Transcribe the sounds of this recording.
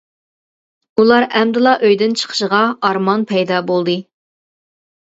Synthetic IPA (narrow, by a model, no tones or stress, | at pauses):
ulˠɑɾɛmd̪ɨlˠɑʔøjd̪ɪnt͡ʃʰə̥qʰə̥ʃəʁɑɑɾmɑnpʰɛjd̪ɑbolˠd̪ɨ